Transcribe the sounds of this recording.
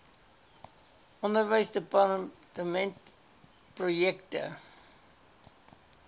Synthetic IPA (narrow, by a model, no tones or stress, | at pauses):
ʔɔndərvəjsdəpɑtəmɛnt | projɛktə̰